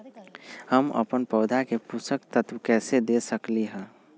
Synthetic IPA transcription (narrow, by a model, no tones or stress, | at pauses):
həmə̰pənpəːd̪ʱakepusəkt̪ət̪ʋkɛːsed̪eːsəkliɦɛ̃ː